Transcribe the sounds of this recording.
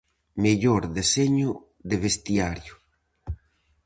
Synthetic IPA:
meʎoɾðeseɲʊ | ðeβest̪jaɾjʊ

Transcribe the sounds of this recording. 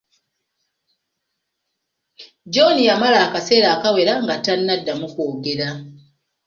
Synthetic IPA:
d͡ʒo̞nijamalaːkase̞ːɾaːkawe̞ɾaŋɡatanːadːamukoːɡeɾa

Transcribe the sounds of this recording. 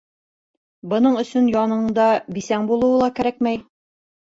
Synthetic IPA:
bɤ̆nɤɴɵ̆sɵnjɒnɤ̆ɴɴd̪ɑbisæŋbulˠɤ̆wɤlˠɑkæɾækmæj

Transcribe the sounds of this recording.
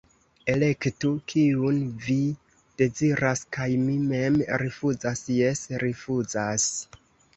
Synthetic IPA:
e̞le̞ktukʰiunvi | d̥e̞ziɾaskajmime̞mɾifuzasjesɾifuzas

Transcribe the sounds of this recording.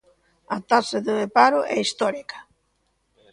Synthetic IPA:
ɐt̪asɪðɪðepaɾʊʔɛist̪ɔɾikɐ̥

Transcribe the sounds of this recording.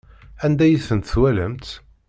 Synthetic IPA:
ænd̪æjəsənt̪θwæləmt̪

